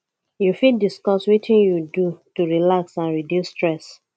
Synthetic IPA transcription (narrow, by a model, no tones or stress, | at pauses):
jufidiskɔswitĩnjudutuɹilaksãnɹidisstɹɛs